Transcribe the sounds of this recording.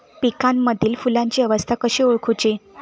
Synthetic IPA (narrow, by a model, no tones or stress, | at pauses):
pikamːəd̪ʱiːlfulãɲt͡ɕiːəʋəst̪ʰakəɕeoɭkʰut͡ɕe